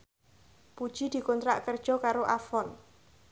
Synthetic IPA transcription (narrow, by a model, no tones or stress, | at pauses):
pud̥ʒ̥id̪̥i̤kɔnt̪ɾaʔkərd̥ʒ̥ɔ̤kaɾoʔafɔn